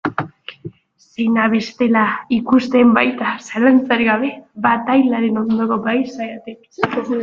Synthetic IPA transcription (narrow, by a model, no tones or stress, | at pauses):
sejnaβe̞st̪e̞laikust̪embajt̪asalant͡saɾiɣaβe̞βat̪ajlaɾeno̞nd̪okoɡajsajat̪ek